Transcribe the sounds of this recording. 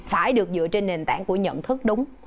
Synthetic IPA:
faː˧˩jɗɨ˨˩ək̚zɨ̰˧˨t͡ɕe˧nːe˨˩nt̪aː˧˩˨ŋku˧˩əɲə̰˧˨nt̪ʰɨ˦˥k̚ɗʊ˨˦wŋ͡m

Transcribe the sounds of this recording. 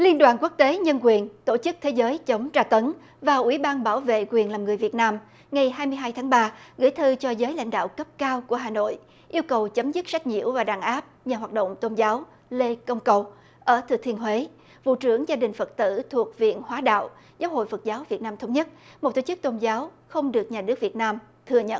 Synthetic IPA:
li˧ənɗwa̰ː˨˩nku˦˥k̚t̪e˨˦ɲə˧nkwi˨˩ənt̪o˧˩t͡ɕɨ˦˥k̚t̪ʰe˨˦zəː˨˦jt͡ɕə˨˦wŋ͡mt͡ɕaː˧t̪ə˨˦n | vaː˨˩ʔwi˧˩ɓaː˧nɓaː˧˩wvḛ˧˨kwi˨˩ənlaː˨˩mŋɨ˨˩əjvi˨˩ət̚naː˧m | ŋa˨˩jɦaː˧jmɨ˧əjɦaː˧jt̪ʰaː˨˦ŋɓaː˧ɣɨ̰˧˥˨jt̪ʰɨ˧t͡ɕɔ˧zəː˨˦jla̰˧˥jŋ̟ɗa̰ː˧˨wkə˦˥p̚kaː˧wku˧˩əɦaː˨˩no̰˧˨j | ʔi˧wkə˨˩wt͡ɕə˨˦mzɨ˦˥k̚sa˦˥k̟̚ɲḭ˧˨əwvaː˨˩ɗaː˨˩nʔaː˦˥p̚ɲaː˨˩ɦwaː˨˩t̚ɗo̰˧˨wŋ͡mt̪o˧nzaː˨˦w | le˧kə˧wŋ͡mkə˨˩w | ʔəː˧˩t̪ʰɨ˧˨˩t̪ʰi˧ənɦwe˨˦ | vṵ˧˨t͡ɕɨ˧˩əŋzaː˧ɗï˨˩ŋ̟fə˨˩t̚t̪ɨ̰˧˩t̪ʰu˨˩ək̚vḭ˧˨ənhwaː˨˦ɗa̰ː˧˨w | zaː˨˦wɦo̰˧˨jfə˨˩t̚zaː˨˦wvi˨˩t̚naː˧mt̪ʰwŋ͡mɲə˦˥t̚mo˨˩t̪o˧˩t͡ɕɨ˦˥k̚t̪o˧nzaː˨˦w | xə˧wŋ͡mɗɨ˨˩ək̚ɲaː˨˩nɨ˦˥ək̚vi˨˩ət̚naː˧m | t̪ʰɨ˨˩əɲə̰˧˨n

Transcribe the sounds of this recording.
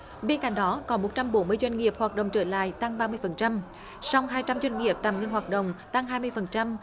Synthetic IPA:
ɓe˧nka˧˩ŋ̟ɗɔ˨˦kɔ˨˦mo˨˩t̚t͡ɕa˧mɓo˨˦nmɨ˧əjzwa˧ŋ̟ŋi˨˩əp̚hwaː˨˩ɗə̰˧˨ŋ͡mt͡ɕəː˧˩la̰ː˧˨jt̪a˧ŋɓaː˧mɨ˧əjfə˨˩nt͡ɕa˧m | sa˧wŋ͡mɦaː˧jt͡ɕa˧mzwa˧jŋ̟ŋi˨˩əp̚t̪aː˨˩mŋə˧nɦwaː˨˩t̚ɗə̰˧˨wŋ͡mt̪a˧ŋɦaː˧jmɨ˧əjfə˨˩nt͡ɕa˧m

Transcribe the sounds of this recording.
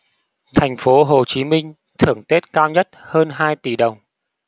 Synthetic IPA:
t̪ʰa˨˩jŋ̟fo˨˦ɦo˨˩t͡ɕi˨˦mï˧ŋ̟ | t̪ʰɨ˧˩əŋt̪e˦˥t̚kaː˧wɲə˦˥t̚həː˧nɦaː˧jt̪i˧˩ɗə˨˩wŋ͡m

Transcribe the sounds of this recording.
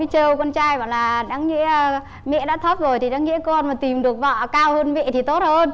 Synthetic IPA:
t͡ɕə˧wkɔ˧nt͡ɕaː˧jva̰˧˨ŋlaː˨˩ɗaː˨˦ŋːḭ˧˥˧ | mɛ̰˧˨ɗa̰ː˧˥t̪ʰə˦˥p̚zo˨˩jt̪ʰi˨˩ɗaː˨˦ŋḭ˧˥əkɔ˧nmaː˨˩t̪i˨˩mɗɨ˨˩ək̚vɔ̰ː˧˨kaː˧whəː˧nmɛ̰˧˨t̪ʰi˨˩t̪o˦˥t̚həː˧n

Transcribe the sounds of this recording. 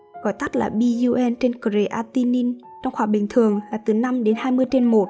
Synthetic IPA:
ɣɔ˨˦jt̪a˦˥t̚la̰ː˨˩ɓi˧zu˧ʔɛ˧nt͡ɕe˧nko˨˩ze˧˦ʔaː˧t̪i˧ni˧n | t͡ɕɔ˧wŋ͡mxwaː˧˩ɓï˨˩ŋ̟t̪ʰɨ˨˩əŋlaː˨˩t̪ɨː˨˩na˧mɗe˨˦nhaː˧jmɨ˧əjt͡ɕe˧nmo˨˩t̚

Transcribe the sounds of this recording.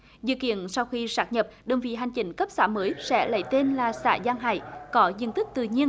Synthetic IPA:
zɨ̰˧˨kḭ˧˨ənsa˧wxi˧saː˦˥k̚ɲə˨˩p̚ɗə˨˩wŋ͡mvḭ˧˨ɦa˨˩jŋ̟t͡ɕï˨˦ŋ̟kə˦˥p̚sa̰ː˧˩məː˨˦jsɛ̰˧˥lə̰˧˩jt̪e˧nlaː˨˩sa̰ː˧˩zaː˧ŋɦa̰ː˧˨jkɔ˨˦zḭ˧˨ənt̪ɨ˦˥k̚t̪ɨ̰˧˨ɲi˧ən

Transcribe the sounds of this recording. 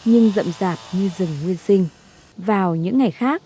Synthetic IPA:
ɲɨ˧ŋzə̰˧˨mzaː˨˩p̚ɲɨ˧zɨ˨˩ŋːwi˧ənsï˧ŋ̟ | vaː˨˩wɲɨ̰˧˥ŋːa˨˩jxaː˦˥k̚

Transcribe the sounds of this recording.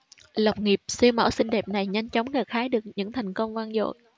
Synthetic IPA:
lə˨˩wk͡p̚ŋi˨˩əp̚sɛ˧wmə̰˧˩sï˧ŋ̟ɗɛ˨˩p̚na˨˩jɲa˧jŋ̟t͡ɕɔ˨˦wŋ͡mɣaː˨˩kxaː˨˦jɗɨ˨˩ək̚ɲɨ̰˧˥ŋt̪ʰa˨˩jŋ̟kə˧wŋ͡mvaː˧nzo̰˧˨j

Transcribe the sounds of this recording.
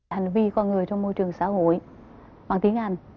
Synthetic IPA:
ha˨˩jŋ̟vi˧kɔ˧nŋɨ˨˩əjt͡ɕɔ˧wŋ͡mmo˧jt͡ɕɨ˨˩əŋsaː˨˦ho̰˧˨j | wa̰ː˧˨˩nt̪i˨˦əŋʔa˧jŋ̟

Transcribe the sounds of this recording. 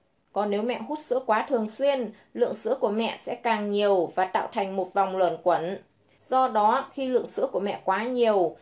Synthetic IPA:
kɔ˨˦nːe˨˦wmɛ̰˧˨ɦu˦˥t̚sɨ̰˧˥əkwaː˨˦t̪ʰɨ˨˩əŋswi˧ən | lɨ̰˧˨əŋsɨ̰˧˥əku˧˩əmɛ̰˧˨sɛ̰˧˥kaː˨˩ŋɲi˨˩əwvaː˨˩t̪a̰ː˧˨wt̪ʰa˨˩jŋ̟mo˨˩t̚va˨˩wŋ͡mlwə˨˩nkwə˨˦n | zɔ˧ɗɔ˨˦xi˧lɨ̰˧˨əŋsɨ̰˧˥əku˧˩əmɛ̰˧˨kwaː˨˦ɲi˨˩əw

